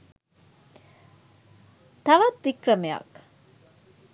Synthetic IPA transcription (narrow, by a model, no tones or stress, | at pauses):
t̪ɐʋɐt̪d̪ikrɐmeɐ̰k